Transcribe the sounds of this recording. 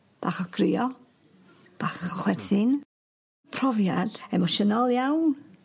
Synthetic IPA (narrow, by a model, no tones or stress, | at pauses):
b̥aːχɔɡrɪɔ | b̥aːχɔχwɛdθɪn | pʰrɔvjad̥ɛmɔʃənɔlˠjawn